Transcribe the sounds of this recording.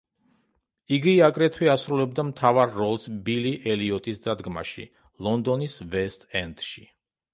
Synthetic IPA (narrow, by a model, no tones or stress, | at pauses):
iɡiakʼɾɛt̪ʰwiasɾulɛb̚d̪amt̪ʰavaɾːɔlˠsbiliʔɛliɔt̪ʼisd̪ad̪ɡma̰ʃḭ | lˠɔnd̪ɔnisvɛst̪ʼɛnt̪ʃi